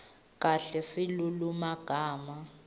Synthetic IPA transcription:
k̬ʼaɬɛsilulumaɡ̥ʱaːma

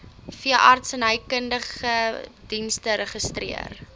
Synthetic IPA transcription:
fiəʔɑ̰rtsənəjkəndəχəd̥instəɾəχəstrḭə̰r

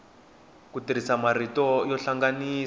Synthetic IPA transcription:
kutiɾ̤isamaritɔjɔɬaŋɡaniː

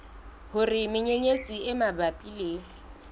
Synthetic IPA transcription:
hʊrɪmɪɲeɲet͡sʼiɪmabapʼileːŋ̩

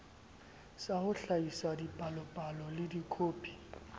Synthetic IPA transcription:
saχʊɬaisadipʼalɔpʼalɔlɪdikʰoːpʼi̥

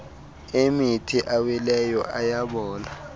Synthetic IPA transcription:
emitʰiʔawilɛjɔʔajaɓɔːna

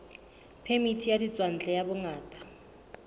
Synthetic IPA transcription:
pʰemitʰijadit͡sʼwan̩d͡ɮʱʼɛjabʊŋaːtʼḁ

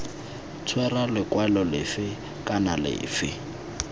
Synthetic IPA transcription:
t͡sʰwɛralɪkʼwalɔlɪfɪ | kʼanalɪ̰ːfɪ

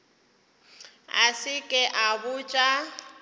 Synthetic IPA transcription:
a̰sɪkʼɛʔabʊt͡ʃʼa

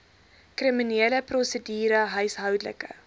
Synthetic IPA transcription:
krimineːləprɔsədiːɾəɦœɥsɦœwdlə̰kə̰

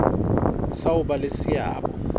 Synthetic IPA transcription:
sauɓalesia̰ːɓɔ̰

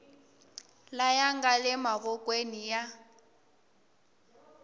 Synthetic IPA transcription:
lajaŋɡalɛmaɣɔkʼwenija

